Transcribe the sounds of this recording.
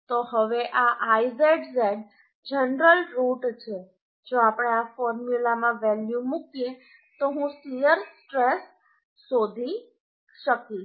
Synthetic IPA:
t̪oɦəʋeʔaʔaizeɖsɛɖ | d͡ʒənɾəlɾuʈt͡ʃʰe | d͡ʒoapəɽ̃eafɔɾmjulamãʋɛljumukije | t̪oɦũsijəɾsʈɾesː | od̪ʱi | ʃəki

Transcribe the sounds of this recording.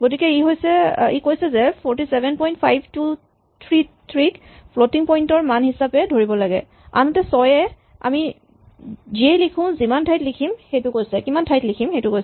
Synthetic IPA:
ɡotikɛiɦojsɛikojsɛzɛpʰɔɹtisɛbʱɛnpɔj̃ntpʰajbʱtu | t̪ʰɹit̪ʰɹik | pʰlotiŋpɔjintɔɹmanɦisapɛdʱoɹibɔlaɡɛ̰ | a̰ntɛsɔjɛ | a̰mi | ziejlikʰʊ̃zimantʰajtlikʰimxejtʊkojsɛkimantʰajtlikʰimxejtʊkojsɛ

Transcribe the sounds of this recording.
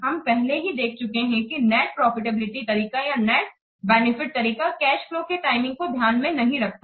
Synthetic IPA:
ɦɐmpɛɦleɦid̪eːkʰt͡ʃʊkeɦɛ̃kinɛːʈ̚pɾɔːfɪʈəbɪlɪʈit̪ɐɾiːkajanɛːʈ̚ | bɛːnɪfɪʈ̚t̪ɐɾiːkakɛːʃflokeʈaːɪmɪ̃ŋɡ̚kod̪ʱjaːnmẽnɐɦĩɾɐk̚ʰt̪a

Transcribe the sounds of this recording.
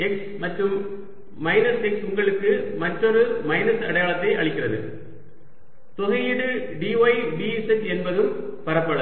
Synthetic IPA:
ɛksmɐʈrɯmː | ɐɪnɐsɛksʊŋɡɐɭɯkːɯmɐʈrɔɾɯmɐɪnɐsɐ̰ɽɐjaːɭɐt̪ːɐɪʔɐ̰ɭɪkʲːɪrɐðɯ̰ | t̪ɔɣɐjɪɽɯɖiɐɪɖisɐʈɛnbɐðɯm | pɐɾɐpːɐɭɐ

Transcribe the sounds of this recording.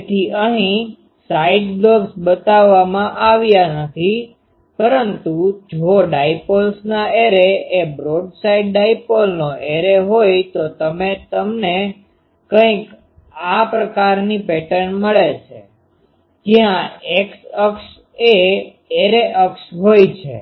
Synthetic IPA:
t̪ʰiʔəɦĩ | saiɖbloɡsbət̪aʋːamãʔaʋjanət̪ʰi | pəɾənt̪ud͡ʒoɖaipolsnaeɾeebɾoɖsaiɖɖaipolnoʔeɾeɦojt̪ot̪əmet̪əmne | kə̃ĩk | apɾəkaɾnipɛʈəɾnməɭet͡ʃʰḛ | d͡ʒjãeksəks | e | eɾeʔəksɦojt͡ʃʰḛ

